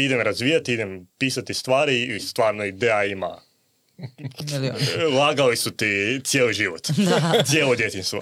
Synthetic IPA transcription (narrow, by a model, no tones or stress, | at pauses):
id̪emɾazʋiːjat̪iid̪e̞mpiːsat̪ist̪ʋaːɾiːst̪ʋaːɾnoid̪eːjaima̰ | lˠaːɡalisut̪it̪sjeːliʒiʋot̪sjelˠod̪jet̪inst̪ʋo̰